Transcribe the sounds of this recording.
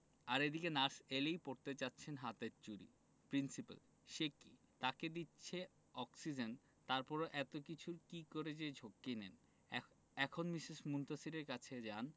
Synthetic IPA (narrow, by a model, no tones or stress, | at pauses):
aɾed̪ikenaɾselejpoɾt̪et͡ɕatːɕʰenɦat̪et͡ɕuɾḭ | pɾinsipa̰l | ʃekḭ | t̪aked̪itːɕʰe | ɔksid͡ʑen | t̪aɾpɔɾoʔɛt̪okit͡ɕʰuɾkikoɾed͡ʑed͡ʑʱokːinen | ɛkʰonmiʃiʃmunt̪asiɾeɾkat͡ɕʰed͡ʑan